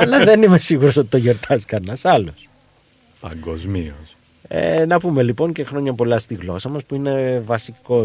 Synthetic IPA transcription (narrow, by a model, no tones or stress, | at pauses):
ɐlɐðe̞nime̞siɣuɾo̞so̞t̪i̥t̪o̞ʝo̞ɾt̪ʰɐskɐnɐsɐlos | pɐ̰ŋɡo̞zmḭos | ḛnɐpume̞lipoɲce̞xɾo̞ɲɐpo̞lɐst̪iɣlo̞sɐmɐspuine̞vɐsiko̞